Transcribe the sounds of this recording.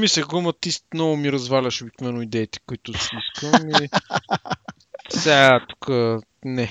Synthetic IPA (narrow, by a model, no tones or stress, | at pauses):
misɛɡumɐt̪ismnɔvʊmiɾɐzvalʲɐʃobik̪nvɛnoid̪ɛit̪ɛ̥kʊit̪ʊsiskəmi | sat̪u̥kə | nɛ